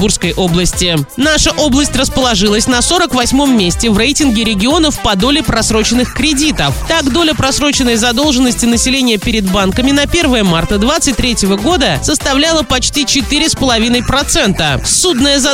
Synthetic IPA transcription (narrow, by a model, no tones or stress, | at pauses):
burskəjʔo̞blˠəsʲtʲɪnaʂəʔo̞blˠəsʲtʲrəspəlˠɐʐɨlˠəsʲnɐso̞ɾəkvɐsʲmo̞mːʲesʲtʲɪvrejtʲɪnɡʲɪɾʲɪɡʲɪo̞nəfpɐd̪o̞lʲɪpɾɐsɾo̞t͡ɕɪnːɨxkɾʲɪdʲit̪əft̪akd̪o̞lʲəpɾɐsɾo̞t͡ɕɪnːəjzɐd̪o̞lˠʐɨnːəsʲtʲɪnəsʲɪlʲenʲɪjəpʲɪɾʲɪd̪bankəmʲɪnɐpʲe̞rvəjəmart̪əd̪vat̪sɨt̚ʲt̪ːʲɾʲetʲɪvəɡo̞d̪əsəst̪ɐvlʲalˠəpɐt͡ɕtʲit͡ɕɪt̪ɨɾʲɪspəlˠɐvʲinəjpɾɐt̪sɛnt̪əsud̪nəjəzɐ